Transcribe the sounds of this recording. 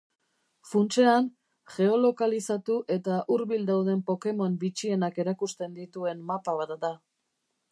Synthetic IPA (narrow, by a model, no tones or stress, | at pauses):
funt͡ʃe̞an | ʝe̞o̞lo̞kalisat̪uʔe̞t̪aʔuɾβild̪awðe̞mpo̞ke̞mo̞mbit͡ʃie̞nake̞ɾakust̪e̞nd̪it̪ue̞nːapaβat̪d̪a